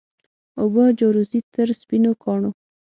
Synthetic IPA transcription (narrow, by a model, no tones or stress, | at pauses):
obəd͡ʒoɾuzit̪əɾspinokʰɑɳo